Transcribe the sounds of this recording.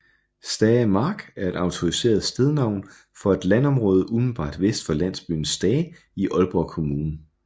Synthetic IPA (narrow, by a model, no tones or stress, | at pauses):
sd̥ɛːmɑ̈ːɡ̥æɐe̝d̥ɑ̈ʊt͡sʰo̝ʁise̝̰ːɐð̩ˠsd̥eð̞ˠnɑ̈ʊ̰n | fɒ̽e̝d̥lænɒ̽mʁɔːð̞ˠəʔum̩b̥ɑ̰̈ːd̥ʋesd̥fɒ̽læn̰sb̥y̰ːn̩sːd̥ɛː | iʔɒ̽lb̥ɒkʰo̝muːnə